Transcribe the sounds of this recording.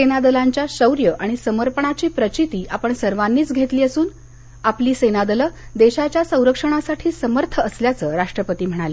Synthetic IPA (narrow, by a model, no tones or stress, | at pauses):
senad̪əlaɲt͡ɕjaɕəwɾjəʔaɽ̃isəməɾpəɳat͡ɕiːpɾət͡ɕit̪iːʔapəɳsəɾʋanːiːt͡sɡʱet̪liːəsuːn | apliːsenad̪ələd̪eɕat͡ɕjasə̃w̃ɾəkʂəɽ̃asaʈʰiːsəməɾt̪ʰəːsljat͡səːɾaʂʈɾəpət̪iːm̤əɽ̃alə